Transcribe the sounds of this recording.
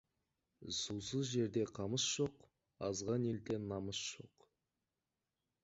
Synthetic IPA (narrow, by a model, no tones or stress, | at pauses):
susəzʒe̞ɾd̪e̞qʰɑməsʒ̥o̞q | ɑzʁɑne̞lt̪e̞nːɑməsʒ̥o̞̰q